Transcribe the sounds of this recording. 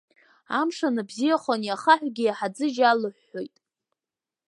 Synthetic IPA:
amʂanɨbzijaχʷonijaχaħʷᶣɡʲijaħad͡zɨʒalɨħːo̞jtʼ

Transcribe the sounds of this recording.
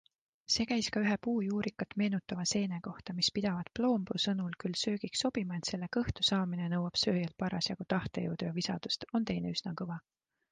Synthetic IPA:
se̞ːkæjskɑyɦepuːjuːɾikːˑɑt̪me̞ːnut̪ːˑɑvɑse̞ːne̞ko̞ht̪ɑmispid̪̥ɑvɑd̪̥plo̞ːmbusɤnulkylsø̞ːɡ̥ikso̞b̥imɑe̞t̪se̞lːe̞kɤ̞ht̪usɑːminenɤwɑb̥sø̞ːjelt̪̚pɑɾɑsjɑkut̪ɑht̪e̞jɤ̰wd̪̥ujɑvisɑ̰d̪̥ust̪o̞nt̪e̞jne̞̰yz̥nɑkɤvɑ

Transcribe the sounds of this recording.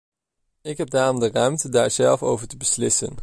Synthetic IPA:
ɪkɦɛb̚daːrɔmdərœɥmtədaːɹz̥ɛlˠfo̰wvəɹtəbəslɪsə̰n

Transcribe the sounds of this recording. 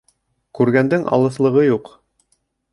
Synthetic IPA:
kʉɾɡænd̪ɘŋʔɑ̰lˠɤ̆θlˠɤ̆ʁɤjuq

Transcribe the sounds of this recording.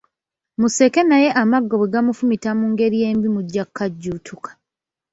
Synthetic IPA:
muse̞ke̞naje̞ʔamaɡːoβeɡamufumitamuŋɡe̞ɾije̞ːmbimuɟːakːaɟːuːtʰukḁ

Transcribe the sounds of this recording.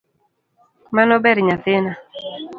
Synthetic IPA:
manɔbɛɾɲat̪ɪna

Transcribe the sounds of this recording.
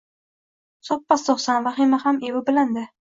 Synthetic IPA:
sɒpːast̪ɒχsanvaχɪmahamewɪbɪland̪ɪ

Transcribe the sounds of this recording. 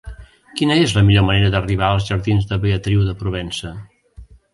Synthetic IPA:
kinəezləmiʎoməneɾəðəriβ̞aəlˠzʒəɾðinzðəβeət̪ɾiwðəpɾuβɛnsə

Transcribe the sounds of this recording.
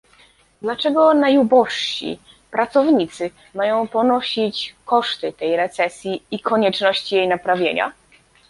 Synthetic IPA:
d̪lat͡ʂɛɡɔnajubɔʂɕḭ | pɾat̪sɔvɲit̪sɘ | majɔ̃w̃pɔnɔɕit͡ɕkɔʂt̪ɘt̪ɛjɾɛt̪sɛsʲjiikʰɔɲɛt͡ʂnɔɕt͡ɕijejnapɾavʲjḛɲa̰

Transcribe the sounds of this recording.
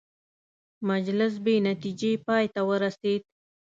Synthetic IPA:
mad͡ʒlɪs̬benat̪id͡ʒepɑjt̪awəɾased̪̚

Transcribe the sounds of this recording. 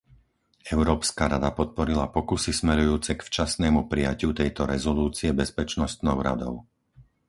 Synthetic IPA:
ɛʊɾɔːpskaɾad̪apɔt̪̚pɔɾilapɔkusismɛɾujuːt͡sɛkft͡ʃasnɛːmupɾijacɪut̪ɛjt̪ɔɾɛzɔluːt͡siɛbɛspɛt͡ʃnɔst̪nɔʊɾa̰d̪ɔ̰ʊ

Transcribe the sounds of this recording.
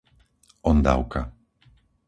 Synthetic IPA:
ɔnd̪a̰wka

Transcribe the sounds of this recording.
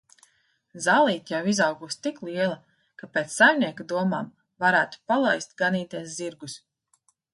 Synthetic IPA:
zaːlˠiːt̪ʲjawizawɡust̪iklˠiɛlˠa | kapeːt̪ssajmniɛkad̪uɔmaːm | vaɾæːt̪u̥palˠajst̪̚ɡaniːt̪ɛsziɾɡus

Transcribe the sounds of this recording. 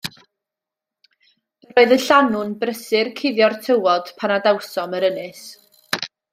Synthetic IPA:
roɨðəɬanʊnbrəsɪrkʰɪðjɔrtʰəwɔd̥pʰanadawsɔməɾənɨs

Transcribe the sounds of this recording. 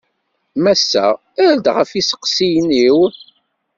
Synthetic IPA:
mæsːæ | æɾd̪ʁəfisə̥qsijnːiw

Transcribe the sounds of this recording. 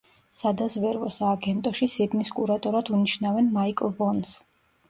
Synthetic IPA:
sad̪azvɛɾvɔsaːɡɛnt̪ʼɔʃisid̪niskʼuɾat̪ʼɔɾad̪uniʃnavɛnmaikʼlˠbɔns

